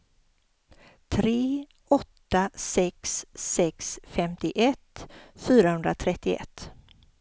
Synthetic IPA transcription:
t̪ʰɾeː | ɔt̪ːasɛksːɛksfɛmt̪ɪʔɛt̪fyːɾahɵnd̪ɾat̪ʰɾɛt̪ːɪɛ̰t̪ː

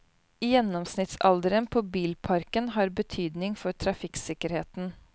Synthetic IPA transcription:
jɛnːɔmsnɪt̪sɑ̰ld̪əɾənpʰoːbiːlpʰɑɾkənɦɑːɾbət̪ʰyːd̪nɪŋfɔɾt̪ʰɾɑfɪksɪkəɾheːt̪n̩

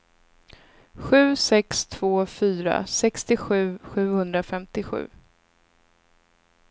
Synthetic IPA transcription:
ɧʉ̟ːsɛkst̪ʰv̥oːfyːɾa̰sɛkst̪ɪɧʉ̟ːɧʉ̟ːhɵnd̪ɾafɛmt̪ɪɧʉ̟̰ː

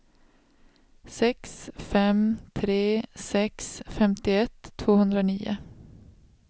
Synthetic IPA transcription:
sɛksfɛmt̪ʰɾeːsɛksfɛmt̪ɪɛt̪ʰːvoːhɵnd̪ɾaoniːʊ̰

